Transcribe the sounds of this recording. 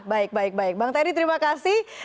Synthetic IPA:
baɪk̚baɪk̚baɪk̚baŋt̪adit̪əɾimakasɪh

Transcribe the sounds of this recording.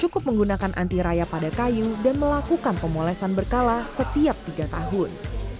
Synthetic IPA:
t͡ʃukʊp̚məŋɡunakanʔa̰nt̪iɾajapadakajudanməlakukanpəmolɛsanbərkalasət̪iap̚t̪iɡat̪aɦʊn

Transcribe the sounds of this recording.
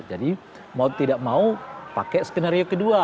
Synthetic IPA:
d͡ʒadi | maut̪idaʔ̚maupakɛʔsə̥t̪ənaɾiokədua

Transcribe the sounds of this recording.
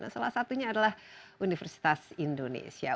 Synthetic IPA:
na̰salahsat̪uɲaːdalahunifɛrsi̥t̪asindonḛsia̰

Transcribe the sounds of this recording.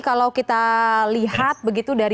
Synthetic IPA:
kalawkit̪aliɦat̪̚bəɡit̪udaɾ

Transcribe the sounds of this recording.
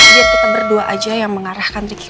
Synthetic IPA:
diapət̪abərduaʔad͡ʒajaŋməŋaɾahkanrik

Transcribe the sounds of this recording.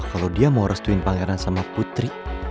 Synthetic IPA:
kalowdiamawɾʔəst̪uɪnpaŋɛɾansamaput̪ɾi

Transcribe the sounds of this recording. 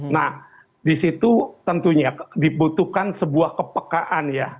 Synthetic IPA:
nah | disit̪ut̪ənt̪uɲadibut̪uhkansəbuahkəpəkaʔanja

